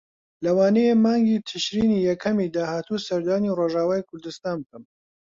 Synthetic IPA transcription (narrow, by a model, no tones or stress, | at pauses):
lɐwaːnɛjemaːŋɡiːt̪ʰɨʃɾiːnijɛkʰɐmid̪aːhaːt̪uːsɐɾd̪aːniroːʒaːwaːjikʰʊɾd̪ɨst̪aːnb̚kɐm